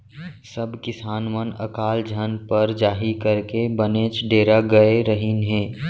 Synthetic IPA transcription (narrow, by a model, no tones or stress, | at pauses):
sɐbkɪsaːnmənɐ̰kaːld͡ʒʱɐnpəɾd͡ʒaːɦikəɾkebəneːt͡ʃɖeːɾaɡɐeɾəɦinɦẽː